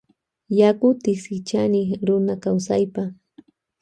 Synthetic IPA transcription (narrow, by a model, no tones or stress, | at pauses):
jakʊt̪ɪsɪt͡ʃanɪɾʊnakawsajpa